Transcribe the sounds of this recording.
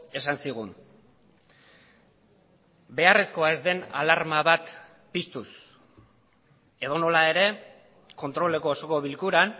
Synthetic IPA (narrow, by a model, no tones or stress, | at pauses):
e̞sansiɣ̞un | be̞are̞sko̞ae̞zd̪e̞na̰laɾmaβat̪ | pist̪us | e̞ðo̞no̞lae̞ɾe̞ | ko̞nt̪ɾo̞le̞ko̞ːso̞ko̞βilkuɾan